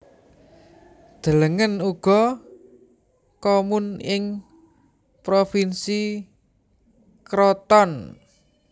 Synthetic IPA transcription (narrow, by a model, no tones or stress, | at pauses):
d̪̥ələŋənuɡ̥ɔ̤ | komunɪŋ | pɾofinsi | kɾɔt̪ɔn